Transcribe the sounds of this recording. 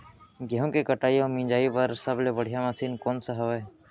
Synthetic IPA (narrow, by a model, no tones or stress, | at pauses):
ɡɛɦõkekəʈaːjomĩːɲd͡ʒaːipɐɾsɐblebəɽ̤ijamaːsiːnkɔːnsaɦɐʋe